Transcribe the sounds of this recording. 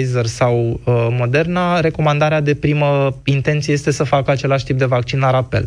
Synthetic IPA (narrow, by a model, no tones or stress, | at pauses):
jzərsawəmo̞d̪e̞rnaɾe̞ko̞mand̪aɾead̪e̞pɾiməint̪e̞nt̪sijee̞st̪e̞səfakəat͡ʃe̞laʃʲt̪ip̚d̪e̞vakt͡ʃinlaɾape̞̰l